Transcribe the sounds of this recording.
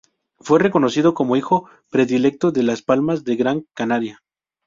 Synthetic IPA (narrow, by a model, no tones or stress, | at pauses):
fwe̞re̞ko̞no̞siðo̞ko̞mo̞ixo̞ | pɾe̞ðile̞k̚t̪oðe̞laspalmazðe̞ɣɾaŋkanaɾja